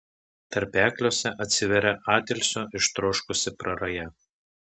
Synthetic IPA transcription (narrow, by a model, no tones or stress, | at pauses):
t̪ɐɾʲpʲæːklʲoːsʲɛʔɐt̪ʲsʲɪʋʲɛɾʲɛʔɑːt̪ʲɛlʲsʲoːʔɪʃt̪ɾoːʃkʊsʲɪpɾɐɾɐjɛ